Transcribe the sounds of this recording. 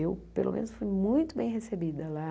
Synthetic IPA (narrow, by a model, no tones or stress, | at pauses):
ewpelo̰mḛ̃nʊsfujmũj̃t̪ʊbẽj̃ɦesebid̪ɐla